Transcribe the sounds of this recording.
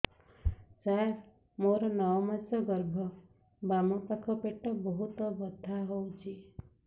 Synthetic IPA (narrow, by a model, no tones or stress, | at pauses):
saeɾ | moɾɔnɔmat͡ʃɔɡəɾbʱɔ | bamɔpakʰɔpeʈːɔbɔɦut̪ɔbɔd̪ʱːaɦowt͡ʃʰi